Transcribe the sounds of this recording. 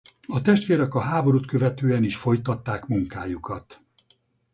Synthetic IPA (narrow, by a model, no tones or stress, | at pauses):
ɒt̪ɛʃt̪ʋeːɾɛkɒɦaːbo̞ɾut̪kø̞vɛt̪øːɛniʃfo̞jt̪ɒt̪ːaːkmuŋkaːjukʰɒt̪